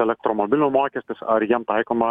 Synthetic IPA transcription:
ɛlʲɛk̚t̪ɾomobʲɪlʲʊmoːkʲɛsʲt̪ʲɪsɐɾjimt̪ɐjkomɐ

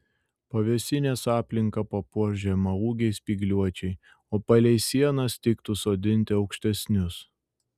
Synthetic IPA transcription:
pɐʋʲɛsʲɪnʲeːsɑːpʲlʲɪŋkɐpɐpuɔʒʲɛmɐuːɡʲɛɪspʲiːɡlʲuɔt͡ʃʲɛɪ | oːpɐlʲɛɪsʲiɛnɐst̪ʲɪkt̪usoːd̪ʲɪnʲt̪ʲɪɒʊkʃʲt̪ʲɛsʲnʲʊs

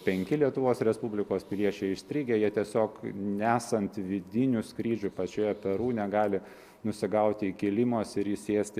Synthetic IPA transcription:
pʲɛŋʲkʲɪlʲiɛt̪ʊʋoːsɾʲɛspʊbʲlʲɪkoːspʲɪlʲiɛt͡ʃʲɛɪɪʃsʲt̪ʲɾʲiːɡʲejiɛt̪ʲiɛsʲoːknʲæːsɐnt̪ʋʲɪd̪ʲɪnʲʊskɾʲiːd͡ʒʲʊpɐt͡ʃʲuːjɛpʲɛɾuːnʲɛɡɑːlʲɪ | nʊsʲɪɡɐʊt̪ʲɪikʲɪlʲɪmosɪɾjɪseːsʲt̪ʲ

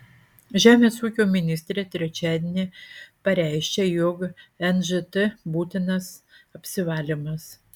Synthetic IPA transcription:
ʒʲæːmʲeːsuːkʲoːmʲɪnʲɪsʲt̪ʲɾʲet̪ʲɾʲɛt͡ʃʲæːd̪ʲenʲepɐɾʲæɪʃʲkʲɛjokɛnʒɨt̪ɛbuːt̪ʲɪnɐsɐpʲsʲɪʋɑːlʲɪmɐs

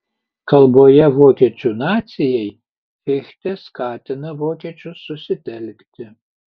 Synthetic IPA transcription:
kɐlˠbojɛʋoːkʲɛt͡ʃʲʊnat̪sʲɪjɛj | fʲɪxʲt̪ʲɛskɑːt̪ʲɪnɐʋoːkʲɛt͡ʃʲʊsʊsʲɪt̪ʲɛlʲkt̪ʲɪ

